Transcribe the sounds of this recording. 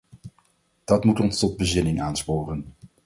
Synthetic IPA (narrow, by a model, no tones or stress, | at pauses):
d̥ɑtmutɔnstɔd̚bəzɪnɪŋaːnspoːrən